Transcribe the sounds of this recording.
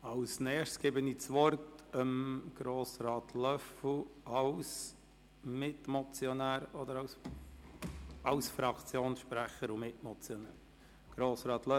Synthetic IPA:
ɑwsnɛːʃsɡ̥ebəniːt͡sʋɔɾtəmɡ̥ɾoːsɾɑːtʰlœfl̩ɑws | mɪtmɔt͡sjɔnæːɾɔd̪əɾɑws | ɑwsfɾɑkʰt͡sjoːnsʃpɾæχəɾʊmɪtmɔt͡sjɔnæːɾ | ɡ̥ɾoːsɾɑːt̪lœ

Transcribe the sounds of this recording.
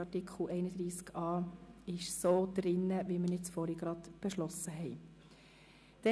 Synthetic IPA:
ɑtikχl̩ɛɪnəd̥̪ɾiːskɑːɪʃsoːd̪̥ɾɪnːəʋimənɪt͡sfɔɾiɡɾɑd̪b̥eʃlɔsəɦɛɪ | d̪̥ɛ

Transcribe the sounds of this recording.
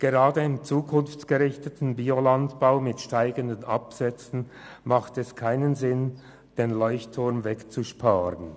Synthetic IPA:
ɡ̥eʁaːdəɪmt͡suːkʰʊnft͡sɡ̥əʁɪçtətn̩biːolantb̥aʊmɪtʃtaɪɡəndənʔɑpsɛt͡sn̩ | maχtɛskʰaɪnənzɪn | d̥eːnlɔʏçtʰːʊɐmvɛkt͡suʃpʰaːʁən

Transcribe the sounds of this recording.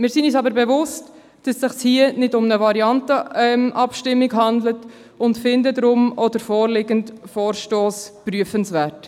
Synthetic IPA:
mɪːɾsinyːsɑbəɾbɛvʊst | d̥ɑsːɪχshiənɪdʊmnəvɑɾiɑntəɛmʔɑpʃtɪmːiɡɦɑndlət | ʊntfɪndədɾʊmɔdəɾfoːɾlɪɡəntfoːɾʃtoːspɾyəfənsvæːɾt

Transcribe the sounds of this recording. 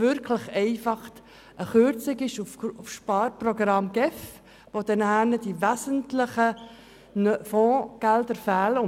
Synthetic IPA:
ʏɾkʰləχɛɪfɑχt | ʔəχʏɾt͡sɪɡɪʃufʊfʃpɑːɾprɔɡɾɑmɡ̥ɛf | ʋod̥̪ɛnhænəd̥iʋæsəntlɪχə | nfɔ̃ːɡ̥æld̪əɾfæːlʊ

